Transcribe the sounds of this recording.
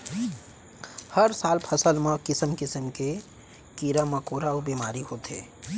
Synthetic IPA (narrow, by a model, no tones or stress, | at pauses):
hɐɾsaːlpʰɐsəlmãkɪsəmkɪsəmke | kiːɾamɐkoːɾaobiːmaːɾiɦoːt̪ḛː